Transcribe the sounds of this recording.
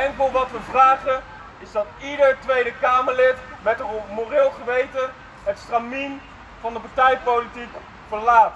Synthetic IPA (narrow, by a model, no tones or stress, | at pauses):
ɛŋkəlˠʋɑtʋəvraːχən | ɪzdɑtidəɹtʋejdəkaːməɹlɪtmɛtəmorɪːlˠχəʋejtə | ɦətstramin | vɑndəpaɹtɛjpowlitik | fəɹlaːt